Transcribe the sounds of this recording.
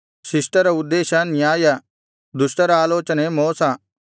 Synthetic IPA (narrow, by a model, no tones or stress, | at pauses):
sɪsʈɐɾaʊd̪ːeːʃanɪjaːja | d̪ʊʃʈəɾaːloːt͡ʃənemoːsa